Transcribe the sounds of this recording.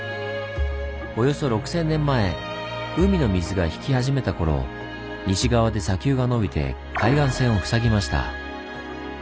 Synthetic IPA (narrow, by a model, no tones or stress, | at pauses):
o̞jo̞so̞ɾo̞kɯ̟̥sẽ̞nːẽ̞mːae̞ | ɯ̟mʲino̞mʲizɨɡaçi̥kʲihaʑime̞t̪ako̞ɾo̞̰ | ɲʲiɕiɡaβad̪e̞sakʲɨːɡano̞bʲit̪e̞̰ | kʰaiɡãɰ̃sẽ̞ɰ̃o̞ɸɯ̟̥saɡʲimaɕi̥t̪a̰